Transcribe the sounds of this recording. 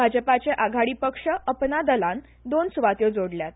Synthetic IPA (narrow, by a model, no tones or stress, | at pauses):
bʱad͡ʑəpat͡seʔaɡʱaɽiːpəkʂəəpnad̪əlãn | d̪onsuʋat̪jod͡zoɽljat̪̚